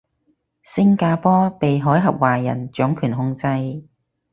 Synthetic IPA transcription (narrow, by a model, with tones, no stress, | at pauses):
sɪ˥ŋkaː˧pɔː˥pe˨jɦɔː˨˥jɦɐ˨p̚waː˨˩jɐ̰˨˩nt͡ʃœː˨˥ŋkʰyː˨˩nɦʊ˧ŋt͡sɐ˧j